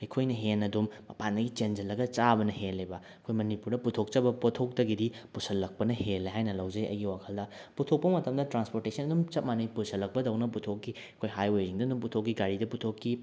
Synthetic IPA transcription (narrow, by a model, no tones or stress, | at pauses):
ikʰojnɐɦenɐdumːɐpandɐɡit͡ʃend͡ʒɐlːɐɡɐt͡ʃabɐnɐɦelːebɐ | kʰojmɐnipuɾdɐputʰok̚t͡ʃɐbɐpotʰok̚tɐɡidipusɐlːɐk̚pɐnɐhelːeɦajnɐlɐwd͡ʒɐjɐ̰jɡiwakʰɐldɐputʰok̚pɐmɐtɐmdɐtɾanspoɾtesɐnɐdumt͡ʃɐt̚manɐjpusʰɐlːɐk̚pɐdɐwnɐp̬utʰokːi | kʰojɦajwejziŋdɐdumputʰokːiɡaɾidɐputʰokːi